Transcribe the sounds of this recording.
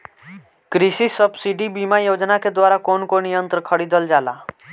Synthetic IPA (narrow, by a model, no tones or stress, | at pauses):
kɾisisəbsiʈibimajod͡ʒnaked̪waːɾakonkonijənt̪ɾəkʰəɽid̪ʱəld͡ʒaːla̰